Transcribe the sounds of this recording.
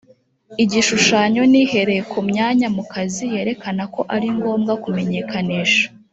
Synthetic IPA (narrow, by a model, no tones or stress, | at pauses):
iɟiʃuʃaːɲo̞nihe̞ɾe̞jekʰumɲaːɲamukʰazije̞ːɾe̞kanako̞ʔaɾiŋɡo̞ːmɡakume̞ɲe̞kʰaniːʃḁ